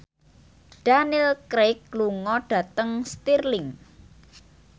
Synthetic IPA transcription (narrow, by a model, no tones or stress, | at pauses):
ɖ̥anilkɾekluŋɔɖ̥a̤t̪əŋst̪irlɪŋ